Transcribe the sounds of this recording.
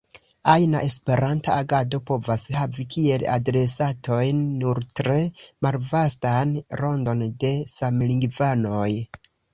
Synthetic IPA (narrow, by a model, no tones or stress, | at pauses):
ajnaʔe̞spe̞ɾantaaɡado̞po̞vashavikʰie̞la̰dɾe̞sato̞jnːuɾtɾe̞malvastanɾo̞ndo̞nde̞samliŋɡvano̞j